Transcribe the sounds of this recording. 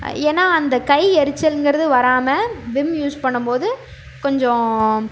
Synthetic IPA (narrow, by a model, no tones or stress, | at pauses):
eːnːaːɐnd̪ɐkɐɪɛɾɯt͡ʃːɐlnɡɪɾɐðɯʋɐɾaːmɐʋɪmjuːspɐɳːɯmpoːðɯ | kɔɲd͡ʒɔ̃